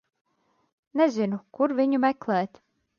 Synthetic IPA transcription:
nɛzinukuɾviɲumɛklˠɛːt̪ʲ

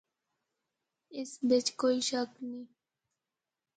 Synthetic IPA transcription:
ɪsbɪt͡ʃkoːiʃəknĩː

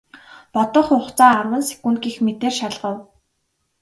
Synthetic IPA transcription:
pɔt̪ɞ̆χʊχt͡saːrwə̆nse̥kunt̪ɡiːxmet̪eːrʃaɮʁə̆w

